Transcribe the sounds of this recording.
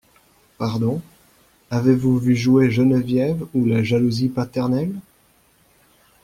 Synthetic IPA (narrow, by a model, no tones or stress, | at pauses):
paʁd̪ɔ̃ | avevuvyʒueʒənvjɛvulaʒaluzipat̪ɛʁnɛl